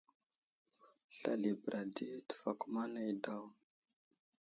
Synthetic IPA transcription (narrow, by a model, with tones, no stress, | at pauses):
ɬa̰˨li˨bɾʔa˨di˦tə̥˨fa˨ku˦ma˦ne˨jda˦˨w